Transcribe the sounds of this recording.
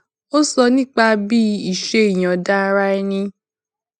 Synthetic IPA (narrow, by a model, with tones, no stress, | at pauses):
o˦sɔ˧nĩ˦k͡pa˧bi˦i˨ʃe˦i˨j̃ã˨da˦˧˦ɾa˦i˦nĩ˧